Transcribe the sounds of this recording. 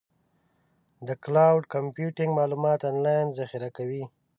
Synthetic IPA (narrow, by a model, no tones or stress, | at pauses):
d̪əklawɖkampjuʈɪŋɡmɑlumɑt̪ɑnlɑjnzaxɪɾakawi